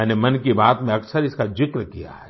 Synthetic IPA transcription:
ɛːnemɐnkibaːt̪mẽɐksəɾɪskad͡ʒɪkɾkija̰ɦɛː

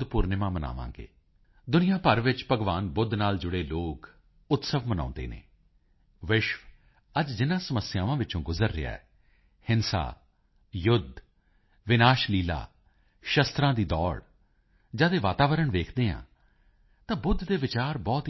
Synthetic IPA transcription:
d̪puːɾnɪmãːməna̰ːʋã̰ːŋɡḛː | d̪ʊnɪjãːpəɾʋɪt͡ʃpəɡʋaːnbʊd̪naːld͡ʒʊɽeːloːk | ʊt̪səʋmənã̰ːnd̪ḛːnḛː | ʋɪʃʋ | əd͡ʒd͡ʒɪnãːsəməsɪjaːʋãːʋɪt͡ʃõːɡʊzəɾːɪ̰ja̰ːɛ̰ː | hɪnsa̰ː | jʊd̪ʱ | ʋɪnaːʃliːla̰ː | ʃəst̪ɾãːd̪iːd̪ɔːɽ | d͡ʒaːd̪eːʋaːt̪aːʋəɾəɳʋeːkʰd̪eːã̰ː | t̪ãːbʊd̪ʱd̪eːʋɪt͡ʃaːɾbɔːt̪

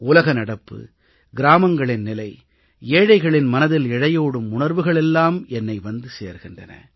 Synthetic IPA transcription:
ʊlɐɣɐnɐɽɐpːɯ̰ | ɡɪɾaːmɐŋɡɐɭɪnːɪlɐɪ | eːɻɐɪɣɐɭɪnmɐnɐðɪlɪɻɐjoːɽɯmʊɳɐɾʋɯɣɐɭɛlːaːmɛnːɐɪʋɐnd̪ɯsḛːɾɣɪndrɐ̰nɐ̰

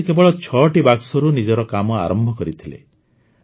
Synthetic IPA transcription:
kebɔɭɔt͡ʃʰɔʈibaksɔɾunid͡ʒɔɾɔkamɔa̰ɾɔmbʱɔkɔɾit̪ʰilḛ

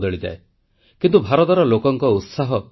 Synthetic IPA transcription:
d̪ɔɭid͡ʒ̪a̰e | kint̪ubʱaɾɔt̪ɔɾɔlokɔŋkɔut̪saɦɔ

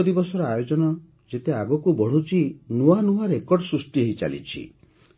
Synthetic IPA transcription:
d̪ibɔsɔɾɔajod͡ʒɔnɔ | d͡ʒet̪eaɡɔkubɔɽ̤ut͡ʃʰinuanuaɾekɔɾɖɔsɾust̪ieɦit͡ʃa̰lḭt͡ʃʰḭ

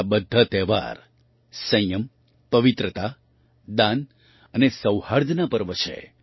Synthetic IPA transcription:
bəd̪ʱːat̪ɛʋa̰ɾ | sə̃jjəm | pəʋit̪ɾət̪a | d̪an | ənesəwhaɾd̪ʱnapəɾʋət͡ʃʰḛ

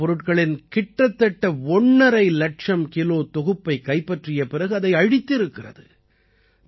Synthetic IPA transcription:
ɔɾɯʈkɐɭɪnkɪʈːɐt̪ːɐʈːɐɔɳːɐɾɐɪlɐʈ̚t͡ʃɐmkɪloːt̪ɔɣɯpːɐɪkɐɪpːɐʈrɪjɐpɪrɐɣɯɐðɐɪɐɻɪt̪ːɪɾɯkːɪrɐðɯ

